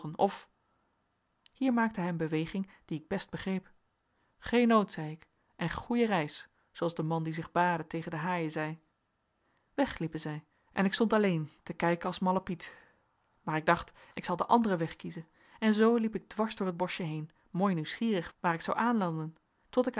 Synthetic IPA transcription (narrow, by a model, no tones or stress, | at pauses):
ənɔ̰f | hiːɹmaːk̚təɦɛɪjənbəʋejχɪŋ | d̥iɪɡ̚bɛst̚b̥əχrejp | χejnowtsɛjɪk | ʔɛnχujərɛjs | sowɑlˠzdəmɑndizɪχbaːdətejχəndəɦaːjəzɛj | ʋɛχlipənzɛj | ʔɛnɪkstɔntɑlejntəkɛjkəɑlˠsmɑlapit | maːɹɪɡ̚dɑχtɪksɑlˠdəʔɑ̰ndərəʋɛχkizən | ɛnzowlipɪɡ̚dʋɑɹzdʊːɹɦəd̚bɔʃəɦejn | moːjniwsχiːrəχʋaːɾɪksɑwʔaːnlɑndən | tɔtɪk